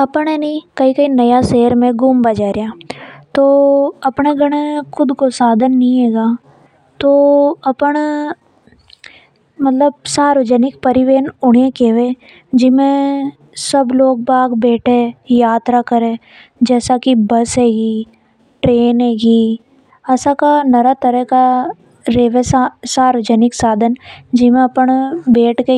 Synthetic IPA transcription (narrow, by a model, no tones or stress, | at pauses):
ɐpəɳenɐĩkɐikɐinɐjaseːəɾmẽɡʊmbɐd͡ʒaːɾejaːt̪oːɐpɳeɡɐɽ̃ekʰʊd̪kosaːd̪ʱənːĩeːɡaː | t̪oːɐpəɽ | mɐt̪ləb̚saːɾʋəd͡ʒənɪk̚pɐɾɪʋeːnʊɽ̤ekeʋeː | d͡ʒɪmẽ | sɐbloːɡ̚baːɡbeːʈʰejaːt̪ɾakɐɾẽ | d͡ʒɛːsakibɐsɦeːɡiː | ʈɾeːnɦeːɡiː | ɐsakanɐɾat̪ɐɾəɦka | ɾeːʋesasaːɾʋəd͡ʒənɪksaːd̪ʱənd͡ʒɪmẽɐpəɳbeːʈke